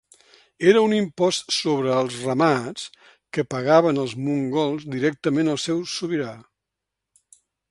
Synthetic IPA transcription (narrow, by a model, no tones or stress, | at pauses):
eɾəunimpɔst̪soβɾəːlˠzrəmat͡s | kəpəɣaβənəlˠzmuŋɡɔlˠzd̪iɾɛk̚t̪əmenəlˠsɛwsuβiɾa